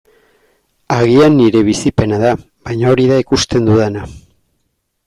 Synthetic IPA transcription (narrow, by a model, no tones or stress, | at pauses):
aɣianːiɾe̞β̞isipe̞naða | βajɲao̞ɾiðaikust̪e̞nd̪uðena